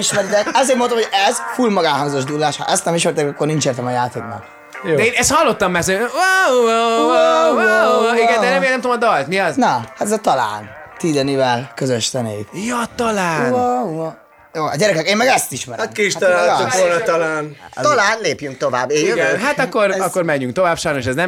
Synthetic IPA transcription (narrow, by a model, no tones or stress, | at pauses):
iʃmɛɾd̪ɛɛzeːɾmont̪omhojɛzfuːlmɒɡaːɦɒŋzo̞ʒd̪ulːaːʃhɒ̰ʔɛst̪ɛmiʃmɛɾt̪ekːornint͡ʃeːrt̪ɛmɒjaːt̪eːknɒ̰kː | dɛeːnɛst̪hɒlːo̞t̪ːɒmːɛsøwa | iɡɛnd̪ɛnɛmelnɛmt̪omd̪ɒlt̪niɒznɒhat̪ɛzɒt̪ɒla̰ːn | t̪iːd̪ɛnivɛlkøzøʃt̪ɛneːt̪jot̪ɒlaːnu | joːɒ̰ɟɛɾɛkɛkeːmːɛɡɛst̪iʃmɛɾatmkiʃt̪ɔlaoont̪ɒlaːnt̪ɔlaːnleːpjyŋk̚t̪ovaːbːeɡɦat̪ɒkːorɒkːoɾmɛɲːyŋk̚t̪o̞vaːbʃɒjno̞ʃɛznɛm